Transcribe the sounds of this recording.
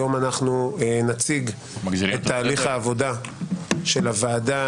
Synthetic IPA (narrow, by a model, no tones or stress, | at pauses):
o̞manaχnuenat͡siɡ | et̪ːaːliχhaːvo̞da | ʃe̞lavaːda